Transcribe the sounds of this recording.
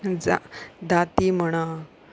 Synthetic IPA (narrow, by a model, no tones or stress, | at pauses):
ad̪at̪im̤əɽ̃a